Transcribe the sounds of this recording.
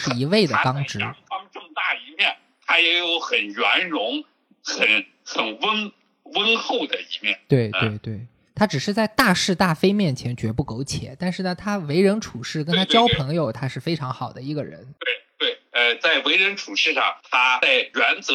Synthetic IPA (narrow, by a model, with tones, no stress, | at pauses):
ʂɻ̩˥˧˩i˧˥we˥˩ɪd̪ə˩˥kɑ˥ŋʈ͡ʂɻ̩˥˧˥ŋfɑ˥ŋʈ͡ʂɤ˥˧ŋt̪a˥˩i˧˥mjɛ˥˩n | t̪ʰa˥jɛ˧˥jo˧˥ʊxə˨˩nɥa˧˥nɻʊ˧˥ŋ | xə˨˩˦n | xə˨˩nwə˥n | wə˥nxo˥˩ʊd̪ə˩i˧˥mjɛ̰˥˩nt̪we˥˩ɪtwe˥˩ɪt̪we˥˩ɪ | t̪ʰa˥ʈ͡ʂɻ̩˨˩ʂɻ̩˥˧t͡sa˥˧ɪt̪a˥˧ʂɻ̩˥˧t̪a˥˩fe˥ɪmjɛ˥˩nt͡ɕʰjɛ˧˥nt͡ɕɥɛ˧˥pu˥˩ko˧˥ʊt͡ɕʰjɛ̰˨˩˦t̪a˥˧nʂɻ̩˥˩nə˩t̪ʰa˥we˧˥ɪɻə˧˥nʈ͡ʂʰu˨˩ʂɻ̩˥˩k̬ə˥nt̪ʰa˥t͡ɕt͡ɕjɑ˥ʊpʰɤ˧˥ŋjo˧ʊt̪ʰa˥ʂɻ̩˥˩fe˥ɪʈ͡ʂʰɑ˧˥ŋxɑ˨˩ʊd̪ə˦i˧˥ɡə̰˧ɻə̰˧˥nt̪we˥˩ɪt̪we˥˩ɪə˧t͡sa˥˩ɪwe˧˥ɪɻə˧˥nʈ͡ʂʰu˨˩ʂɻ̩˥˧ʂɑ̰˥˩ŋt̪ʰa˥a˥˩ɪjɥa˧˥nt͡sɤ˧˥